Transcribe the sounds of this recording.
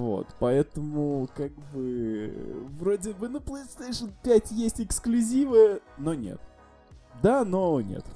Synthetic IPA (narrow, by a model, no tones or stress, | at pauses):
vo̰t̪pɐɛt̪əmʊkaɡ̚bɨ | vɾo̞dʲɪbɨnəplˠəjst̪ejʂənpʲætʲjesʲtʲɪksklʲʉzʲivɨjəno̞nʲḛt̪̚ | d̪anonʲḛt̪